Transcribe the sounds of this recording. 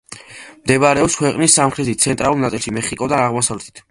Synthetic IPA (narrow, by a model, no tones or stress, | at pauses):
md̪ɛbaɾɛɔpskʰwɛqʼnisːamχɾɛt̪ʰit̪̚sʰɛnt̪ʼɾalulˠnat̪sʼilˠʃimɛχikʼɔd̪anaʁmɔsavlɛt̪ʰi̥t̪ʰ